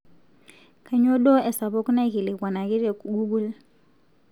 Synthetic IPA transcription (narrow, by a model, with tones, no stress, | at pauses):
kʰa˨ɲɔ˦ɗɔ˦ɛ˨sa˨βɔ˦ku˦na˦ki˨li˨kwa˨na˨ki˦ɾɛ˨ɡu˦ɡu˦l